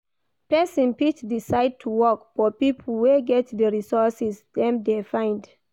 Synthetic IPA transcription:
pɛsɔ̃npitdisaɪd̚tʰuwɔkfɔpipʰəl̩weɡɛtdəɹisɔsɛsdɛ̃mdefãɪ̃nd

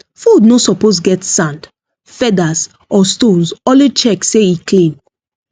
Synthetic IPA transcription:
fudnosɔpos̬ɡɛtsãnd | fɛdas | ʔɔstõnsɔ̃lit͡ʃɛkseiklĩn

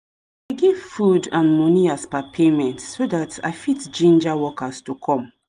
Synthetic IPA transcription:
aɪɡiv̥fudãnmɔniaspapʰemɛ̃ntsodatʰa̰ɪfitd͡ʒĩnd͡ʒawɔkastukʰɔ̃m

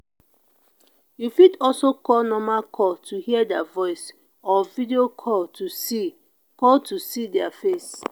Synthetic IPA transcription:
jufidɔlsokɔlnɔmakʰɔltʰuhiədavɔɪs | ɔvidiokʰɔltusi | kɔltʰusidɛafes

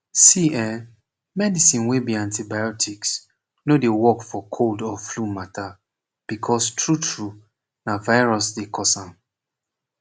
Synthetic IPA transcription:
siɛ | mɛdisĩnwebiãntibajɔtʰiks | nodewɔkfɔkʰoldɔflumatʰa | b̥ikʰɔstʰɹutʰɹu | navaɪɹɔsdekʰɔsãm

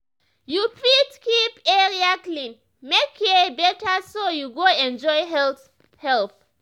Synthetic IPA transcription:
jufitkipɛɹiaklĩn | mekʰːɛbɛtasojuɡoɛ̃nd͡ʒɔjɦɛ | hɛlθ

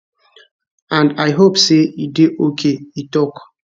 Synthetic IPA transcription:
ãndajɦopseideʔokʰeitɔk

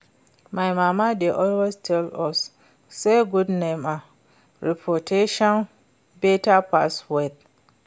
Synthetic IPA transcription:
majmamadeʔɔlwestʰɛlɔsː | ejɡudnema | ɹipʰotʰeʃɔn | betapaswed

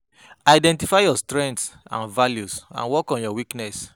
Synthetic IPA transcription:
aɪdɛ̃ntifaɪjɔstɹɛ̃ntsã̰nvaljusã̰nwɔkɔ̃njɔwiknɛs

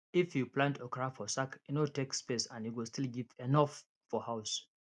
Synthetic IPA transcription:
ifjuplãntʰəkɹafɔsakinɔtekspesãnjuwistʰilɡivɛnɔfː | ɔhaʊs

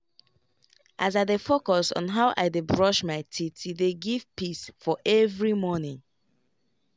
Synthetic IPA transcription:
ʔazaðəfokɔsɔ̰̃n̩ɦaʊʔa̰ɪdebɹɔʃmaɪtʰitʰiðeɡiv̥pisfɔʔɛvɹimɔnɪ̃ŋ

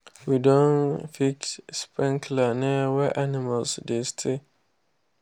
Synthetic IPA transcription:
widɔ̃nfit͡ʃspʰɛ̃ŋkʰlanɛwɛʔanimalsdestʰe

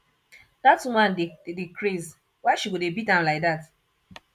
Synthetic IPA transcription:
datmãndedikɹiz | waɪʃiwudebitãlaɪk̚dat

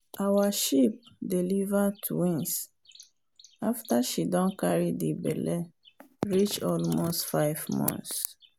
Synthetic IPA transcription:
awaʃip̚delivatʰwĩns | aftaʃidɔ̃nkaɹidibɛ̰lɛ | ɹit͡ʃɔlmostfaɪvmɔ̰̃ns

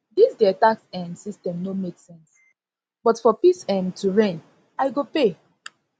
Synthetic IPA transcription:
disdɛataksɛ̃nsistɛ̃mnomeksɛ̃ns | b̥ɔtfɔpisɛ̃mtuɹẽn | ajɡope

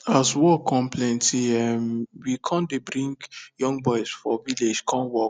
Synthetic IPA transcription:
aswɔkʰːɔ̃mpʰlẽntiɛmwikʰɔ̃ndebɹĩŋɡjɔ̃ŋɡbɔɪsfɔviled͡ʒkʰɔ̃nwɔk

